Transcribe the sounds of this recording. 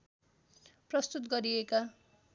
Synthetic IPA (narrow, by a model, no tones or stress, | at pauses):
prʌst̪ut̪ɡʌɾieka